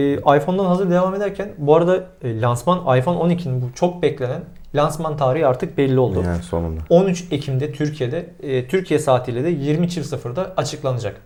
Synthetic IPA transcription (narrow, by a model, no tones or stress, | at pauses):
ajfo̞nd̪anɦazɯɾd̪e̞vaːme̞d̪æɾcʰænbuaɾad̪a | lʲansmanajfo̞no̞nicʰininbut͡ʃʰo̞k̚bɛclʲe̞næn | lʲansmant̪ʰaːɾiɦaɾt̪ʰɯk̚bɛlʲːio̞lˠd̪uso̰nṵnd̪ao̞nyt͡ʃe̞cʰimd̪ɛt̪ʰyɾcʰije̞d̪ɛt̪ʰyɾcʰijɛsaːt̪ʰilʲed̪ɛjiɾmit͡ʃʰivsɯfɯɾd̪aat͡ʃʰɯklˠanɯd͡ʒak